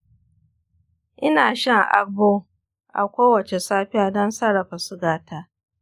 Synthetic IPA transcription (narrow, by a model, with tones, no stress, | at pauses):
ʔɪ˦naː˨ʃɐ˦ŋʔa̰˦boː˦ | ʔa̰˨kʷoː˦wɐ˨t͡ʃe˨saː˦ɸɪ˦jaː˨dɔ˦nsɐ˦ɾɐ˨ɸa˨sʊ˦ɡaː˦tʰaː˦